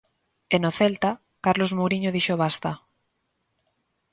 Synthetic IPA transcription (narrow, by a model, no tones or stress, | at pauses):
enoθelt̪a | kaɾlozmoɣɾiɲoðiʃoβ̞ast̪a